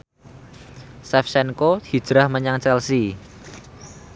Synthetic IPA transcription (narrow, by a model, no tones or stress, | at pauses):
sɛfsɛnkohi̥ʒ̥ɾahməɲaŋt͡ʃɛlsi